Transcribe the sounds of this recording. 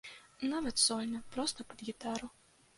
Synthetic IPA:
navɐt̪sɔlʲnɐpɾɔst̪ɐpɐd̪ɣʲit̪aɾu

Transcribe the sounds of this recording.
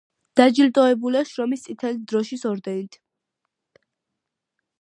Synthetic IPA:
d̪̥ad͡ʒilt̪ʼɔɛbulaʃɾɔmist̪sʼit̪ʰɛlid̪ɾɔʃisɔɾd̪ɛniit̪ʰ

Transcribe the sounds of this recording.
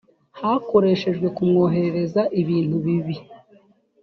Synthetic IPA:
hako̞ɾe̞ʃe̞ʒɡwe̞kumŋo̞ːɦe̞ɾeɾe̞zaʔiβiːnthuβiβi

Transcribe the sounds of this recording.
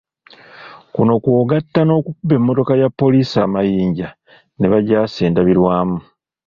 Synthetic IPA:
kuno̞kwo̞ːɡatːano̞ːkukuβe̞mːo̞to̞kajapːo̞liːsaːmajiːɲɟa | ne̞βaɟaːseːndaβiɾwaːmu

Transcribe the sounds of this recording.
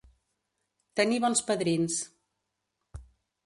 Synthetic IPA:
t̪əniβɔnspəðɾins

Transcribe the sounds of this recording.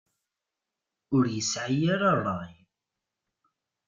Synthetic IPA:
ʊɾjəsʕajaɾɑrˤːɑj

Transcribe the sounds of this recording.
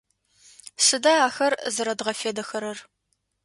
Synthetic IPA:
sɨdɐaːxɐrzɨɾɐdʁɐfeːdɐxɐɾɐr

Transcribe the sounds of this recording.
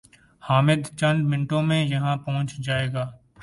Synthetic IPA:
haːmɪd̪t͡ʃə̃nd̪mɪnʈõːmẽjɐɦãːpɐɦʊ̃t͡ʃd͡ʒaːeːɡaː

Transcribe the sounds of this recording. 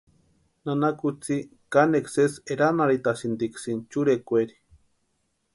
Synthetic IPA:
nanakut͡si | kanekseseɾanaɾit̪asind̪iksint͡ʃuɾekʷeɾi̥

